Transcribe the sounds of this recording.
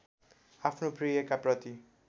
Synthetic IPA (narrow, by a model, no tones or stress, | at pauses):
apʰnoprijʌkaprʌt̪i